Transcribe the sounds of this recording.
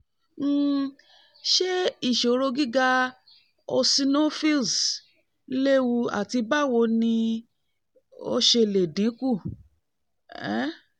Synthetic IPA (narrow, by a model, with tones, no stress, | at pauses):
ʃe˦i˦˨ʃo˨ɾo˧ɡi˦ɡa˧ | ɔ˧si˧no˦fi˦ls | le˦wu˧a̰˨ti˧ba˦˨wo˧nĩ˧ | o̰˧ʃe˧˨le˨dĩ˨˦ku˦˨ | ɛ˦